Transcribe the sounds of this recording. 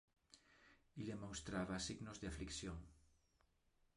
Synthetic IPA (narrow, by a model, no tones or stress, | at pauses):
ilemõŋst̪ɾaβasiɣnozðeafliksjoŋ